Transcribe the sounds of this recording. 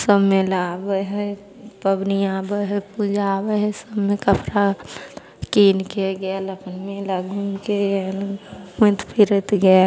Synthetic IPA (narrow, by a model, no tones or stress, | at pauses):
səbmelabəɦə | pəbniabəɦəpud͡ʒabəɦsəbmẽkəpɾa | kiːnkeɡɛaləpʰənmelaɡʱũmkeelmʊ̃t̪pʰɪɾət̪ɡə